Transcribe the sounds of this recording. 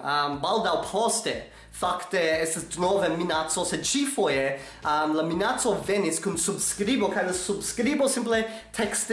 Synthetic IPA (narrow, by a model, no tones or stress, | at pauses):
əmbalˠdawpʰɔstɛ | faktɛɛstəsdnɔvəminasosɛdt͡ʃifojɛ | əmləminasovɛnɪskʰunsubskɾibokʰajləsubskɾibosɪ̃mplɛ | tʰɛkst